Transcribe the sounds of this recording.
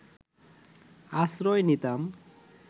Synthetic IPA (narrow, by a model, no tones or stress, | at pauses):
asɾɔjnit̪am